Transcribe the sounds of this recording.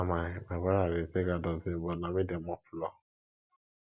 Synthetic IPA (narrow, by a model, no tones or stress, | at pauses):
amamabaɾaɾeseɡadɔzibɔnamidemɔplɔ